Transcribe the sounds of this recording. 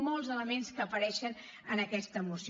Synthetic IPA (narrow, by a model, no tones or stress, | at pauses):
mɔlˠzələmenskəːpəɾɛʃən | ənəkɛst̪əːmusi